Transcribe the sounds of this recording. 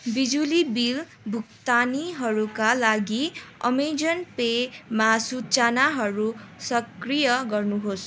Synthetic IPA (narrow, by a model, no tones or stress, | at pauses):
bid͡zulibil | bʱukt̪aniɦʌɾukalaɡiʌ̰med͡zʌnpemasut͡sanaɦʌɾusʌkrijʌɡʌrnuɦos